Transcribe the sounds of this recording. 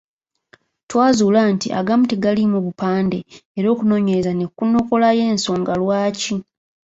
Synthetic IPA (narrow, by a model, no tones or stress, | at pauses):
twaːzuːlantiʔa̰ɡamuteɡalimuβupaːnde̞eɾo̞ːkuno̞ːɲe̞ɾezane̞kːuno̞ko̞laje̞ːnso̞ːŋɡalwaːci